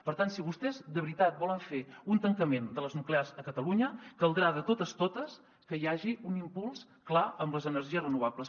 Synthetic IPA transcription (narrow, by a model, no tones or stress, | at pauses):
pəɾt̪ansiβust̪ɛzd̪əβɾit̪at̪̚bɔləɱfeunt̪əŋkəmend̪ələznuklearzəkət̪əluɲəkəlˠd̪ɾaðət̪ot̪əst̪ot̪əs | kəiaʒiunimpulˠs | klaəmbləzənəɾʒiəzrənuβ̞abləs